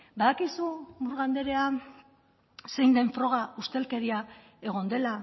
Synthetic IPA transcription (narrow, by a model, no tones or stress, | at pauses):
baðakisumuɾɣand̪e̞ɾe̞a | se̞jnd̪e̞ɱfɾo̞ɣ̞aust̪e̞lke̞ɾia | e̞ɣ̞o̞nd̪e̞la